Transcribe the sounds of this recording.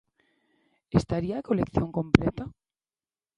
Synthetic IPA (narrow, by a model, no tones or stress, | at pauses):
est̪aɾiaːkolekθjoŋkõmplɛt̪a